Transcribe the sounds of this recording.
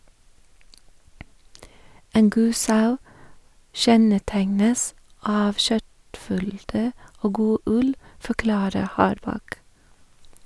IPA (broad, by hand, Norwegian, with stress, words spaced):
ˈeːn ˈɡuː ˈsɑʉ ˈʃɛnəˌtæŋnəs ˈɑːʋ ˈʃœtˌfʏldə ˈoː ˈɡuː ˈʉl fɔˈklɑːɾə ˈhɑːɾˌbɑk